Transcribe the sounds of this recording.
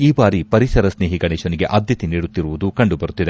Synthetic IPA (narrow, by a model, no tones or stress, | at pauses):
iːbaːɾipɐɾisɐɾɐsneːɦiɡɐɳeːʃɐniɡe̞ʔɐːd̪ʱjɐt̪iniːɽut̪ːiɾuʋud̪ukɐɳɖubɐɾut̪ːid̪e